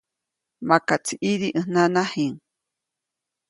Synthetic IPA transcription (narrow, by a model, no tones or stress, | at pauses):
makat͡sʰiʔiɾiʔɨnanahiŋ